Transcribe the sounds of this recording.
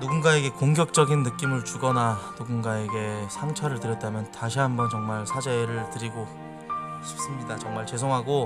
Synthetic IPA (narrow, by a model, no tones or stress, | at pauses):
nuɡunɡae̞ɡe̞koŋɡjʌk̚t͡ɕ͈ʌɡinːɯk͈imɯɭt͡ɕuɡʌnanuɡunɡae̞ɡe̞sʰaŋt͡ɕʰʌɾɯɭtɯɾjʌt̚t͈amjʌntaɕ̬ʰiɦambʌnt͡ɕʌŋmaɭsʰad͡ʑeɾɯɭtɯɾiɡo | ɕʰi̥p̚s͈ɯmɲidat͡ɕʌŋmaɭt͡ɕe̞sʰoŋɦaɡo